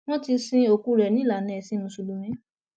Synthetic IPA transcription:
w̃ɔ̃˦ti˧sĩ˧o˨ku˨˦ɾɛ˨nĩ˦la˨nɛ̃˨sĩ˨˦nũ˧su˧lu˧mĩ˦

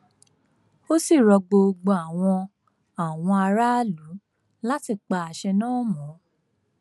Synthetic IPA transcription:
o˦si˦˨ɾɔ˧ɡ͡bo˧ɡ͡bo˧a˨w̃ɔ̃˧ | a˨w̃ɔ̃˧a˧ɾa˦lu˨˦ | la˦ti˦˨k͡pa˧a˨ʃɛ˧nãː˦mɔ̃˨˦

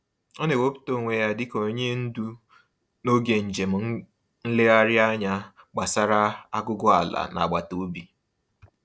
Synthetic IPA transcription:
ɔ˦ne˨wo˦pu̥˦to˦˨ŋʷe˨ja˦dɪ˦ko˨ɲe˦n̩˦du˦ | no˦ɡe˨n̩˨d͡ʒe˨m̩˨˦ | n̩˦lɪ˦a˦ɾɪ˦a˦ɲa˦ | ɡ͡ba˨sa˦ɾa˦a˦ɡʊ˦ɡʊ˦a˨la̰˨na̰˨ɡ͡ba˨to˦bi˨

